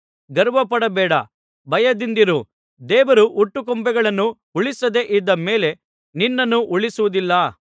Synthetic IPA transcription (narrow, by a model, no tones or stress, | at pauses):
ɡɐɾʋɐpɐɽɐbɛːɽɐ̰ | bɐjɐd̪ind̪iɾu | d̪ɛːʋɐɾuʔuʈːuk̬ombɛɡɐɭɐnːu | uɭisɐd̪e̞ʔid̪ːɐme̞ːle̞ | ninːɐnːuʔuɭisuʋud̪ilːɐ